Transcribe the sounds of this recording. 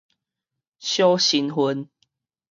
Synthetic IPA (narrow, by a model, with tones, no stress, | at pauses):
ɕjo˦ɕi˨˦nɦu˧˦n